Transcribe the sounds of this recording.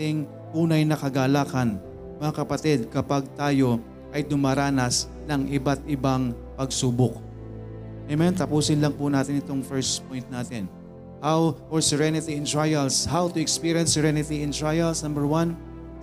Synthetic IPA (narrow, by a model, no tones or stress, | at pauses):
t̪ɪŋ | t̪uːnɐjnɐkɐɡaːlaːkɐn | mɐŋakɐpɐt̪id̪̚kɐpaɡ̚t̪aːjo̞ | ʔɐjd̪ʊmaːɾaːnɐs | nɐŋʔɪbat̪ʔɪbaŋ | pɐɡsuːbok̚ | mɛmɛnt̪ɐpuːsɪnlɐŋpʊnaːt̪ɪnɪt̪oŋfɛɹspojnt̪̚naːt̪ɪn | hawfoɹsɛɹɛnɪt̪iɪ̃nt̪ɹajɐlshawt̪ʊɛkspiɹjɐnsɛɹɛnɪt̪iɪ̃nt̪ɹajɐlsnɐmbɛɹwɐn